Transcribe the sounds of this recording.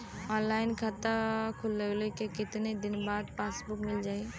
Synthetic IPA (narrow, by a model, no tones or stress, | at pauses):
ɔ̃ːnlaːɪnkʰat̪akʰʊlːəɡlekekɪt̪ned̪ɪnbaːd̪paːsbʊkmɪld͡ʒaːe